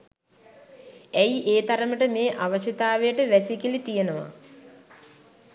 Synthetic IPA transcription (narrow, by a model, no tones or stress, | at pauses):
æjʔeːt̪aɾəməʈəmeːʔaʋəʃɐt̪aːʋejəʈəʋæsikilit̪ijenəʋa̰